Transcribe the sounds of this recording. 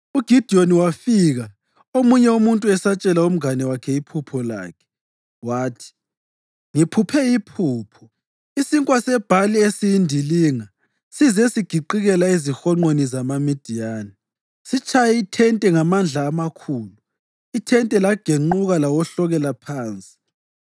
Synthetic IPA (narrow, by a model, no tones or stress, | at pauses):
uɡ̥ʱid̥ʱioniwafiɣa | omuɲɛumuntʼuɛsat͡ʃʼɛlaum̩anɛwakʰɛipʰupʰɔla̰ːkʰɛ̥ | waːtʰi̥ | ŋipʰupʰɛipʰuːpʰɔ̥ | isiŋkʼwasɛb̥ʱaliesijindʱiliːŋa | sizɛsiɡ̥ʱiǃiɣɛlaizixɔŋ͡ǃonizamamid̥ʱijaːnɛ | sit͡ʃʰʼajɛitʰɛntʼɛŋamand͡ɮʱaːmakʰuːlu | itʰɛntʼɛlaɡ̥ʱeŋ͡ǃuɣalawɔɬɔɣɛlapʰaːnt͡sʼi̥